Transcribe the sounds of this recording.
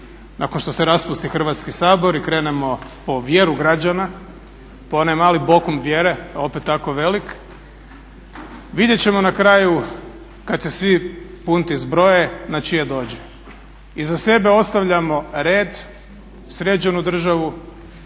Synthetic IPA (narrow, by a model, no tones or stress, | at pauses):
nakonʃt̪o̞seɾaspust̪ixr̩ʋat̪skisaːbo̞ɾikɾe̞ːnemo̞po̞ʋjeɾuɡɾad͡ʑana | poonajmaːlibo̞komʋjeɾe̞ao̞pet̪ːako̞ʋe̞lik | ʋid̪ʲje̞t͡ɕemo̞nakɾaːju | kad̪̚sesʋipunt̪izbɾo̞jenat͡ʃijed̪o̞ːd͡ʑe | izase̞be̞o̞t̪st̪aʋʎamo̞ɾe̞ːd̪ | sɾet͡ʃenud̪r̩ʒaʋu